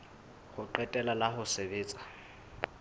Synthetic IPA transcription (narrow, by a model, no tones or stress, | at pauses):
χʊǃɛtʼɛlalaχʊsebeːt͡sʼḁ